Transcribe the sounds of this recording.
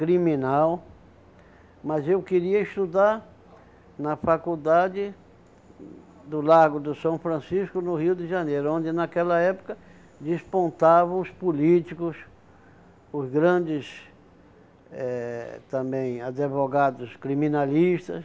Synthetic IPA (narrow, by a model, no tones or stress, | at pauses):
kɾimĩnaw | mɐzewkɪɾiɐɪst̪ud̪aɾ | nɐfakud̪ad͡ʒɪ | d̪ʊlaɡʊd̪ʊsɐ̃w̃fɾɐ̃siskʊnʊhiwd̪ɪʒɐnejɾʊõnd̪ɪnakɛlɐɛpʊ̥kɐ | d͡ʒ̪ɪspõnt̪avɐ̃ʊspulit͡ʃikʊs | ʊzɡɾɐ̃d͡ʒɪs | ɛt̪ɐ̃mbẽj̃ad̪evoɡad̪ʊskɾimĩnaliʃt̪ɐ̰s